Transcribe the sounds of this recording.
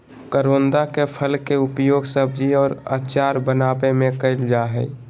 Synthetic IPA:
kəɾoːnd̪akepʰəlkeʊpjoːɡsəb̚d͡ʒiɔːɾa̰ːt͡ʃaːɾbənaːbemẽkəɪld͡ʒaːɦɛ

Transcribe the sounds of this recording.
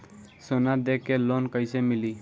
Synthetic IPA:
sonad̪ekːelonkəjsemili

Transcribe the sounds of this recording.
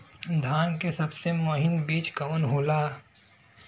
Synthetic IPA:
d̪ʱaːnkesɐbsemoːɦɪnbiːt͡ʃkɐmənɦoːlaː

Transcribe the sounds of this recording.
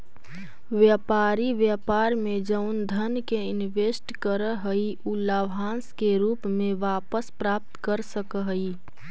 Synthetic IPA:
ʋjəːpaːɾiʋjaːpaːɾmẽd͡ʒəʊnd̪ʱənkeɪnʋeːsʈkəɾəɦəiʔuːlaːʋaːnskeɾuːpmẽʋaːpəspɾaːp̚t̪kəɾsəkəɦəi

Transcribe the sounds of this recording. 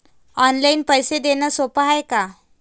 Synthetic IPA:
ɔnlainpəjsed̪enəsopaɦajka

